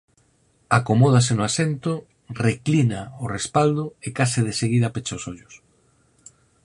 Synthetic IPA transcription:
akomɔð̞as̬enʊasent̪ʊ | reklinaʊrespald̪ʊekasɪð̞eseɣiðɐpet͡ʃaʊsoʎʊs

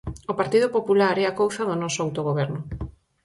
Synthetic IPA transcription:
opaɾt̪iðʊpopulaɾɛakowθaðʊnɔsoawt̪oɣ̞oβɛɾnʊ

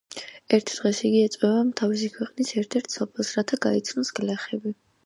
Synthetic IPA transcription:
ɛɾt̪ʰd̪̥ʁɛsiɡiɛt̪sʼwɛvamt̪ʰavis̬ikʰwɛqʼnisɛɾt̪ʰɛɾt̪ʰsɔpʰɛlˠsɾat̪ʰaɡait̪sʰnɔsɡ̥lɛχɛbi

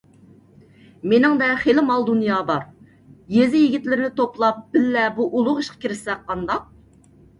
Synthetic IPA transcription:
menɪŋd̪ɛχelɪmɑlˠd̪unjɑːbɑɾ | jezɪjiɡʲɪt̪lɪɾɪnɪt̪ʰoplˠɑp̚b̥ɪlːɛbuʔulˠʊʁiʃqʰɑ̥kʲiɾɪsɛk̚qːɑnd̪ɑq̚

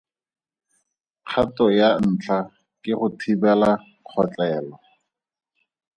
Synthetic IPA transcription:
q͡χʰatɔjan̩ːt͡ɬʰa | kʼɪχʊtʰibɛla | q͡χʰɔt͡ɬɛːlɔ

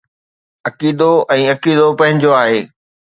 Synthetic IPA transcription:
ɐkiːd̪oɛ̃ːɐkiːd̪opɐ̃ɦɪ̃ɲd͡ʑoaːɦeː

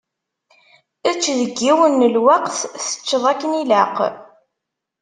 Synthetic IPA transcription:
æt͡sːðəɡːiwənːəlwɑqθθə̥t͡ʃːəðˤækːənilaq

